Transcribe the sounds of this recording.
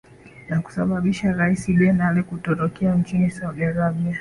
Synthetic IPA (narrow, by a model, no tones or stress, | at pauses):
naku̥saɓaɓiʃaɾaisiɓɛnalɛkutɔtɔkɛant͡ʃinisauɡaɾaɓia